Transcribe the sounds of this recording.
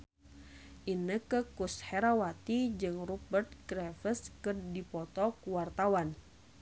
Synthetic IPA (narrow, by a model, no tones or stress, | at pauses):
ʔinəkəkushɛɾawat̪id͡ʒɨŋrubərt̪̚ɡɾɛfəskɨrdipɔt̪ɔkuwart̪awan